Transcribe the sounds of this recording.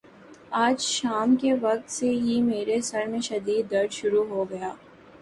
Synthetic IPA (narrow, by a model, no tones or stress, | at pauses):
aːd͡ʒʃaːmkeʋɐk̚t̪seɦimeːɾesɐɾmẽʃɐd̪iːd̪ːɐɾd͡ʒʃʊɾuɦoɡɐjaː